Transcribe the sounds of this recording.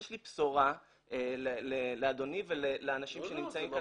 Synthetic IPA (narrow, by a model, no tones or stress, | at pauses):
ʃlipsoʁa | elelelead̪o̞niveleleanaʃimmʃenimt͡saimka